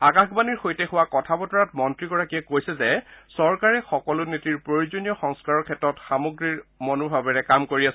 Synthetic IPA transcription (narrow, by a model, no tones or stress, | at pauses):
akaxbaniɹxojtɛxʊwakɔtʰabɔtɔɹatmɔntɹiɡɔɹakijɛkojsɛzɛsɔɹkaɹɛxɔkɔlʊnitiɹpɹoɹuzonijɔxɔŋskaɹɔɹkʰɛtɹɔtxamuɡɹiɹmonubʱabɛɹɛkamkoɹias